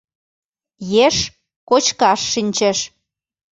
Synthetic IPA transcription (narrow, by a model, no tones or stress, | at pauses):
jeʃ | kot͡ɕkɑʃːinʲt͡ɕĕʃ